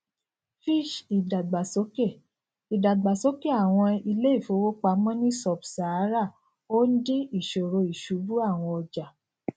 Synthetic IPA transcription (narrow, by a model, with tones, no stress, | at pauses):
fi˦˨ʃi˨da˨ɡ͡ba˨so˨˦ke˦˨ | i˨da˨ɡ͡ba˨so˨˦ke˦˨a˨w̃ɔ̃˧i˧le˦i˦˨fo˨˧˦wo˦k͡pa˧mɔ̃˦nĩ˦sɔ˨bsa˨˦ɾa˦˨ | o˦n̩˦di˦i˦˨ʃo˨ɾo˧i˨ʃu˨˦bu˦a˦˨w̃ɔ̃˧ɔ˧d͡ʒa˨